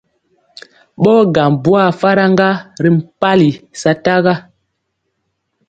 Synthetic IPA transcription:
ɓɔ˦ɡa˨mbu˦a˦˨fa˦ɾa˦ŋ˦ɡa˦ɾi˨m̩˨pa˦li˨sa˨ta˦ɣa˦

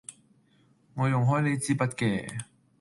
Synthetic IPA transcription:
ŋɔː˨˧jʊ˨˩ŋɦɔː˨˥jle˨˧jt͡siː˥pɐ˥t̚kɛː˧

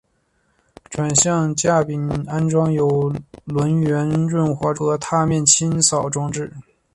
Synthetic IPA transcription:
ʈ͡ʂʰwa˨˩nɕjɑ˥˧ŋt͡ɕja˥˩pi˨˩na˥nʈ͡ʂwɑ˥ŋjo˨˧˩ʊlwə˧˥nɥɛ˧˥nʈ͡ʂwə˥˩nxwa˧˥ʈ͡ʂu˧˥ə˧t̪ʰa˥˧mjɛ˥˩nt͡ɕʰi˥nsɑ˨˩ʊʈ͡ʂʊ˥ŋʈ͡ʂɻ̩˥˩

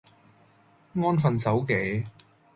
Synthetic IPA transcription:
ŋɔː˥nfɐ˨˧nsɐ˨˥wke˨˥j

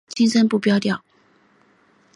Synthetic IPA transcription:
t͡ɕĩ˥nsə˥npu˥˨˩pjɑ˥ʊt̪jɑ˥˩ʊ

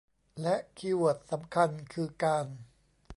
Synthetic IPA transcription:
lɛ˦˥ʔkʰiː˧wu˨˩ət̪̚sa˩˦mkʰa˧nkʰɯː˧kaː˧n

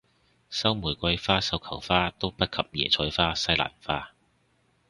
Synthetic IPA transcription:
sɐ˥wmuː˨˩jkʷɐ˧jfaː˥sɐ˥wkʰɐ˨˩wfaː˥t̪o˥wpɐ˥t̚kʰɐ˨p̚jɛ̰ː˨˩t͡ʃʰɔː˨˥jfaː˥sɐ˥jla̰ː˨˩nfaː˥

